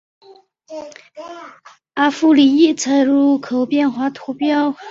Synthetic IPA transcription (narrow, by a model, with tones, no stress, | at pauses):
a˧˥fu˥li˨˩i˥˩t͡sʰa˧˥ɪɻu˥˩kʰo˨˩ʊpjɛ˥˩nxwa˧˥t̪ʰu˧˥pjɑ˥ʊ